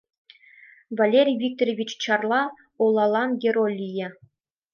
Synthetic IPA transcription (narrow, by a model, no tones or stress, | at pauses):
valʲeɾʲijvʲik̚t̪orʲevʲit͡ɕt͡ɕɑrlˠɑ | ulˠɑlˠɑnɡʲerolʲijɘ̆